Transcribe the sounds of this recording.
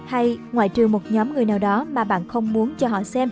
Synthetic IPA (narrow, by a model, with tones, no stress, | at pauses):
ha˧jŋwa̰ː˧˨jt͡ɕɨ˨˩əŋmo˨˩t̚ɲɔ˨˦mŋɨ˨˩əjnaː˨˩wɗɔ˨˦maː˨˩ɓa̰ː˧˨nxə˧wŋ͡mmu˨˦ənt͡ɕɔ˧ɦɔ̰˧˨sɛ˧m